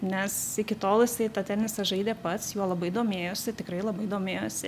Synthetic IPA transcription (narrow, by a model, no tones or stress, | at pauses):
nʲɛsɪkʲɪt̪oːlˠɪsɐɪt̪ɐt̪ʲɛnʲɪsɐʒɐɪd̪ʲeːpɐt̪sjuɔlˠɐbɐɪd̪oːmʲeːjoːsʲɪt̪ʲɪkɾɐɪlˠɐbɐɪd̪oːmʲeːjoːsʲɪ